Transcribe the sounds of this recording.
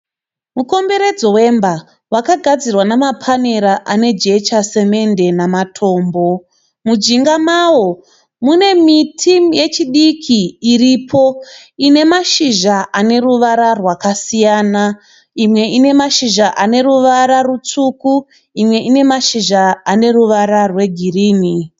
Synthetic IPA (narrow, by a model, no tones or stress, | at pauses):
muko̞mbe̞ɾe̞d͡zo̞we̞mba | wakaɡʱad͡zirwanamapʰane̞ɾaʔane̞d͡ʒe̞t͡ʃase̞me̞nde̞namatʰo̞ːmbo̞ | mud͡ʒiŋɡamawo̞ | mune̞mitʰimje̞t͡ʃiɗikʰiːɾipʰo̞ | ine̞maʃiʒaʔane̞ruʋaɾarwakasijaːna | imwe̞ʔine̞maʃiʒaʔane̞ɾuʋaɾarut͡suku | imwe̞ʔine̞maʃiʒaːne̞ruʋaɾarwe̞ɡʱiriːni